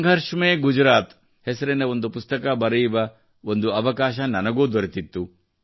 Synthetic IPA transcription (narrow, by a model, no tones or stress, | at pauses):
ŋɡʱɐɾʂmeːɡud͡ʒɾaːt̪ | hesɐɾeneond̪upust̪ɐkɐbɐɾɐjʋɐ | ond̪uɐʋɐkaːʃɐnɐnɐɡuːd̪oɾit̪it̪ːu